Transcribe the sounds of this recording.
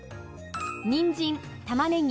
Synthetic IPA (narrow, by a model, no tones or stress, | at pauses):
ɲʲĩɲd͡ʑĩn | t̪amanẽɲ